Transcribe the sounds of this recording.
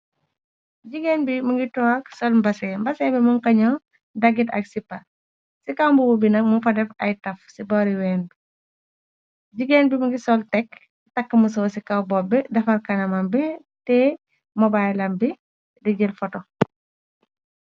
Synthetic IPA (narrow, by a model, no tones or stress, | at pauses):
ɟiɡɛnbimuŋɡitɔːɐksɔlmbɐsɛmbɐsɛːbɛmuŋkɐɲɔ | dɐɡitɐ̰k̚sipːɐ | sikɐwmbuwubinɐk̚mufɐdɛfɐjtɐfsibɔɾiwɛːnbi | ɟiɡɛnbimɐŋɡisɔltɛkː | tɐkːəmusɔwsikɐwbɔbːidɐfɐrkɐnɐmɐmbɛ | tɛ | mɔbajlɐmbi | dɐɟəlfɔtɔ